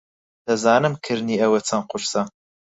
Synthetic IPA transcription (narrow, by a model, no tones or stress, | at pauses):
d̪̥ɐzaːnɨmkʰɨɾniːɐwɛt͡sʰɐnqʊɾsɐ